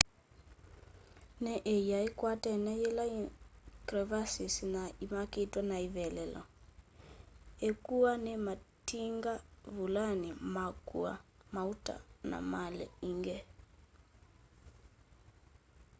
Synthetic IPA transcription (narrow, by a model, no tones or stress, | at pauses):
nɛʔɛjaikwatɛnɛjɛlaikɾɛvasisinaimakitwanaivɛlɛlɔ̰ | ɛkuanɛmatiŋɡavulanimakua̰mauta̰na̰malɛ̰iŋɡɛ